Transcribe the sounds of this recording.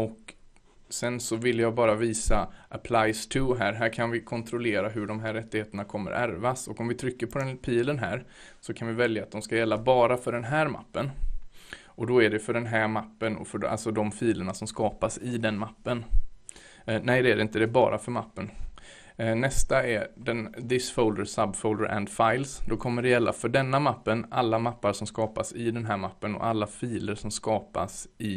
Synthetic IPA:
ɔk | sɛnsɔvɪlːjɑːɡbɑːɾaviːsaʔapʰlajst̪ʰɵɦæːɾɦæːɾkʰanvɪkʰɔnt̪ʰɾʊleːɾaɦɵɖɔmɦæːɾːɛt̪ːɪɡheːt̪əɳakʰɔmːə̰ɾæ̰ɾvasɔkɔmvɪt̪ʰɾʏkːəɾpʰɔd̪ɛnpʰiːlənɦæ̰ːɾ | sɔkʰanvɪvɛljaːt̪̚d̪ɔmskajɛlːabɑːɾafœɖɛnɦæːɾma̰pːən | ɔd̪ɔæɖɛfœɖɛnɦæːɾmapːənɔ̰fœa̰lsɔd̪ɔmfiːləɳasɔmskɑːpasɪd̪ɛnmapːən | nɛjd̪ɛæɾɪnt̪əd̪ɛbɑ̰ːɾʔafœɾma̰pːən | nɛst̪aɛd̪ɛnd̪ɪsfɔʊld̪əɾsabfɔʊld̪ə̰ɾʔɛ̰nd̪faɪlsd̪ɔkʰɔmːəɖɛjɛlːʔa̰fœɖɛnːamapːənalːamapːaɾʂɔmskɑːpasɪd̪ɛnɦæːɾmapːənɔ̰ʔalːafiːləɾʂɔmskɑːpa̰sɪ

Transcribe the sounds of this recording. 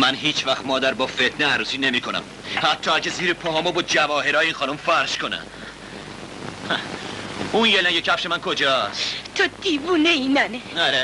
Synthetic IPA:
mænɦiːt͡ʃʰvæxt̪mɒːd̪æɾbɒːfet̪ʰneæɾuːsiːne̞miːkʰonæ̰m | hæt̪ʰːɒːæcʰeziːɾepʰɒɦɒːmobod̪̚d͡ʒævɒːɦe̞ɾːjeiːnxɒːnumfæɾʃkʰo̞næ̰ | unjelæŋɟecʰæfʃemænkʰo̞d͡ʒɒːst̪ʰod̪̥iːvuːneinæneɒɾe

